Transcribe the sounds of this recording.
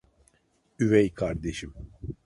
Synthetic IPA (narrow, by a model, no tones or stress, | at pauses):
yvɛjkʰaɾd̪eʃim